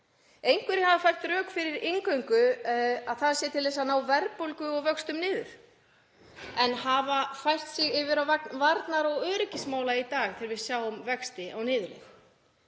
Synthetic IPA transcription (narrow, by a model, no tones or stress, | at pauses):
ejŋkvʏɾɪhavafajr̥t̪ɾœːkfɪɾɪɾɪŋkœɥŋkʏaðθaðsjɛt̪ʰɪlɛsanaːwvɛɾpowlkʏɔɣvœkst̪ʏmnɪːðʏ̰ɾ̥ | ɛnhavafajr̥t̪sɪɣɪvɪɾawvak̪vaɾt̪naɾɔɣœːɾɪcɪsmaːwlait̪aːɣt̪ʰɪːɾvɪðsjaːwɔmvɛkst̪ɪawnɪːðʏlʏ̰x